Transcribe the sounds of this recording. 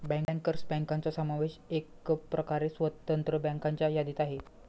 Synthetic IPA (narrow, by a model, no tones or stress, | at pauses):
bɛŋŋkəɾsbɛŋkaɲt͡sasamaʋeɕekəpɾʔəkaɾeswət̪ənt̪ɾəbɛŋkaɲt͡ʃajad̪it̪aɦe